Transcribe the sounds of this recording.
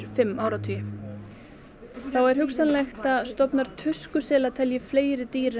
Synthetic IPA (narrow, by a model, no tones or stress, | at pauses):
ɾ̥fɪmːaːwɾat̪ʰʏjɪ | θawɛɾ̥ɦʏksanlɛxt̪aðst̪ɔpnaɾ̥t̪ʰʏskʏsɛːlat̪ʰɛljɪfleːjɾɪt̪iːɾɪ